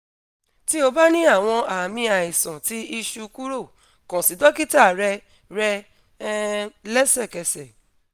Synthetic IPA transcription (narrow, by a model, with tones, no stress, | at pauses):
ti˦o˧ba˦nĩ˦a˦˨w̃ɔ̃˧a˨mĩ˧a˨i˨sɔ̃˨ti˨˦i˧ʃu˧ku˦ɾo˦˨ | kɔ̃˨si˨˦dɔ˦ki˦ta˦˨ɾɛ˧ | ɾɛ˧˦ | lɛ˦sɛ˦˨kɛ˨sɛ˨